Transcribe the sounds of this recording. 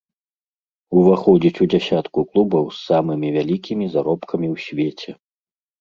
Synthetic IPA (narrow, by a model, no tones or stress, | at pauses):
uvaxɔd͡zʲit͡sʲud͡zʲasʲat̪kuklˠubɐwsːamɨmʲivʲalʲikʲimʲizaɾɔpkɐmʲiwsʲvʲet͡sʲɛ